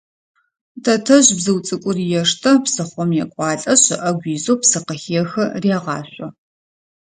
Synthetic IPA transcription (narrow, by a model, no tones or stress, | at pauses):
tʰɐtʰɐʑbzɨwt͡sʼɨkʷʼʊrijɛʂtʰɐpsɐχʷɔmjɛkʷʼɑːɬʼɐɕɐʔɐɡʷiːzowpsɐqɐxijɛxɐriaʁɑ̰ːɕʷʼɔ